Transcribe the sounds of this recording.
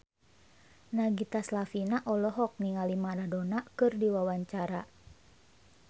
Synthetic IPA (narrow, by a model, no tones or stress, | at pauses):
naɡit̪aslafinaʔɔlɔɦɔk̚niŋalimaɾadonakɨrdiwawaɲt͡ʃaɾa